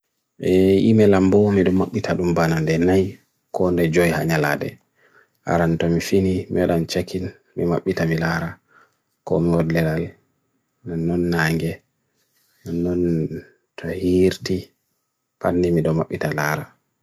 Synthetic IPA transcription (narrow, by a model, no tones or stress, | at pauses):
ʔɛimɛlambɔmiɗɔmːaɓːitʰaɗumbanandɛnaj | kɔndɛd͡ʒɔjha̰ɲala̰ɗɛ̰ | ʔa̰ɾantɔmifinimiwaɗant͡ʃakin | mḭma̰ɓːitamilaɾa | kɔmiwɔdlɛɾal | nanːɔnːaŋɡɛ | nanːɔn | tʰɔhiɾti | panːdimiɗɔmaɓːitalaːɾa